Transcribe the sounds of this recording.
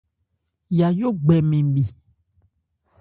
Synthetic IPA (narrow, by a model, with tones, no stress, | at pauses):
ja˨jo˦ɡ͡bɛ˨mẽ˨ɓi˨